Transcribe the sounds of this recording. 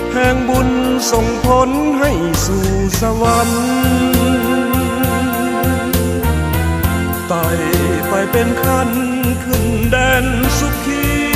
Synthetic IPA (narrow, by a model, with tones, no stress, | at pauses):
hɛː˧ŋbu˧˩n | so˧˩ŋpʰo˧˥nɦa˥˩jsuː˧˩sa˧wa˧˦n | t̪a˧˩jpa˧jpe˧nkʰa˧˥n | kʰɯ˧˩˨ŋdɛː˧nsu˧˥p̚t̪ʰiː˧˥˧